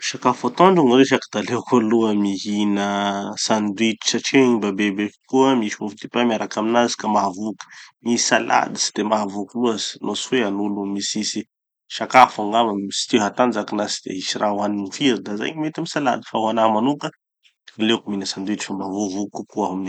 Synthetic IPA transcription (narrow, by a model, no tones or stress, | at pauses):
ʃakafat̪oɳɖ͡ʐuŋreʃakid̪alekʰoluəmiɦinəsand̪wit̪i̥saʈ͡ʂeɲibabebeki̥kuəmiʃmuvt̪ipamaɾakaminazi̥kamaɦavukə̥misala̰d̪isi̥d̪̥emaɦvukuluaz̥nʔosfeanulumisisi | ʃakafaŋɡaməsi̥t̪eɦat̪and͡ʒakinasi̥d̪ḛisirawaninifiɾid̪aza̰jɲimet̪amisala̰d̪i̥fawanamanukə | alekuminəsand̪wit̪i̥famavuvukukuaamini